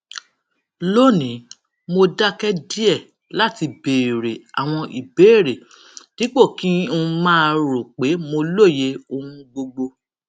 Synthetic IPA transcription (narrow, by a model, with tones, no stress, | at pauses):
lo˦˨nĩ˨˦ | mo˧da˦kɛ˦di˦ɛ˦˨ | la˦˨ti˧beː˨ɾe˨a̰˨w̃ɔ̃˧ʔi˨be˨˦˨ɾe˨ | nĩ˨˦k͡po˦˨kĩ˦ũ˧mãː˦ɾo˨k͡pe˨˦mo˧lo˦˨je˧o˧hũ˧ɡ͡bo˧ɡ͡bo˧